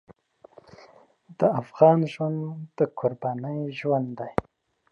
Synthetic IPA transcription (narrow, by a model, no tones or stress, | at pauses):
d̪̥əafɣɑnʒwand̪d̪̥əkʰʊɾbɑnəjʒwand̪d̪aj